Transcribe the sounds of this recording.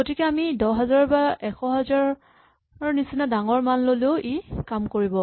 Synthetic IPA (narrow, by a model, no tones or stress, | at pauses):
ɡotikɛamidɔɦɛzaɹɔbaɛxɔɦɛzaɹ | ɹnisinadaŋɔɹmanloleʊʔikamkoɹibɔ